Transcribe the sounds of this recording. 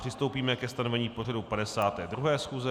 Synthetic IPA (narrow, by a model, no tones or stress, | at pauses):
r̝̥ɪst̪o̞wpiːmɛkɛst̪ano̞vɛɲiːpo̞radupadɛsaːt̪ɛːd̪ɾuɦɛːsxuːzɛ